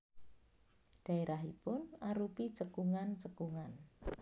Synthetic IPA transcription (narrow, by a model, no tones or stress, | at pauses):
ɖ̥a̤eɾʔaɦipʊnaɾupit͡ʃəkuŋant͡ʃəkuŋan